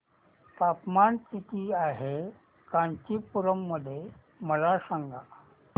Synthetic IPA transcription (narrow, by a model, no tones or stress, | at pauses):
t̪apmaɳkit̪iaɦe | kãɲt͡ɕiːpuɾəmːəd̪ʱːje | məlasaŋɡʱa